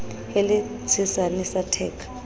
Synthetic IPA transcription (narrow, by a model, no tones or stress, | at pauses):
eli | d͡zʱisanɛsatʰɛːkʰḁ